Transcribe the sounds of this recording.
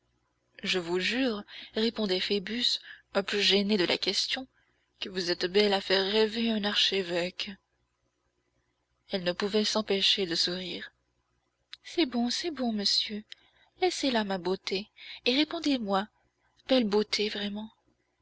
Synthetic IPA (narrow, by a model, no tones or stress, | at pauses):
ʒəvuʒyːʁʁepɔ̃d̪ɛfebysœ̃plyʒened̪əlʔa̰kʲɛst̪jɔ̃ | kəvuzɛt̪bɛlafɛʁːɛveɛ̃naʁʃevɛk | ɛlnəpuvɛsɑ̃peʃed̪əsuʁiːʁ | sɛbɔ̃sɛbɔ̃məsjø | lɛselamabot̪ʰeːʁepɔ̃d̪emwa | b̥ɛlbot̪ʰevʁɛmɑ̃